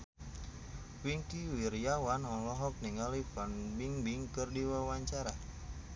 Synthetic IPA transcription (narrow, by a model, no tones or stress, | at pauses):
wiŋkiwirjawanɔlɔɦɔk̚niŋalifanbiŋbiŋkɨrdiwawaɲt͡ʃaɾa